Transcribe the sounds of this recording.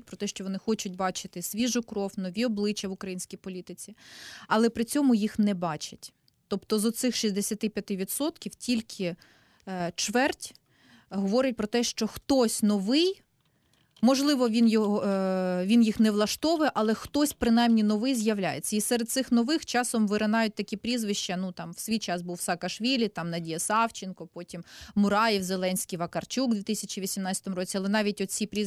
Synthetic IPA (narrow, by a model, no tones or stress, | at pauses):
t̚ʲpɾɔt̪ɛʃt͡ʃɔʋɔnɪxɔt͡ʃʊtʲbɑt͡ʃɪt̪ɪsʲʋʲiʒʊkɾɔwnɔʋʲiɔblˠɪt͡ʃʲjɐʋʊkɾɐjinʲsʲkʲijpɔlʲit̪ɪt͡sʲiɐlˠɛpɾɪt͡sʲɔmʊjixnɛbɑt͡ʃɐtʲ | t̪ɔpt̪ɔzɔt̪sɪxʃizʲd̪esʲɐt̪ɪpʲjɐt̪ɪʋʲid̪sɔt̪kʲiwtʲilʲkʰɪ | t͡ʃʋɛrtʲ | ɦɔʋɔɾɪt̚ʲpɾɔt̪ɛʃt͡ʃɔxt̪ɔsʲnɔʋɪj | mɔʒlˠɪʋɔʋʲinjɔɔʋʲinjixnɛʋlˠɐʃt̪ɔʋɪʔɐlˠɛxt̪ɔsʲpɾɪnɑjmnʲinɔʋɪjzjɐʋlʲa̰jet͡sʲːɐisɛɾed̪t̪sɪxnɔʋɪxt͡ʃɑsɔmʋɪɾɐnɑjʊt̚ʲt̪ɐkʲipɾʲizʋɪʃt͡ʃɐnut̪ɑmwsʲʋʲijt͡ʃɑsbuwsɐːkɐʃʋʲilʲit̪ɑmnɐdʲijɐsɑwt͡ʃɪnkɔpɔtʲimmʊɾɑjiwzelˠɛnʲsʲkʲijʋɐkɐrt͡ʃuɡ̚d̪ʋʲit̪ɪsʲɐt͡ʃiʋʲisʲimnɑtt͡sʲɐt̪ɔmʊɾɔt͡sʲiɐlˠɛnɑʋʲitʲɔt̪t͡sʲipɾʲi